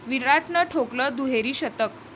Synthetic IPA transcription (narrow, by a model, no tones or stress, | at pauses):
ʋiɾaʈnəʈʰokləd̪uɦeɾiːɕət̪ək